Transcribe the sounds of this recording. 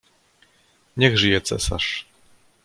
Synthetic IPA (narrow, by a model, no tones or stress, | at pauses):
ɲɛɣʐɘjɛt̪sɛ̰sa̰ʂ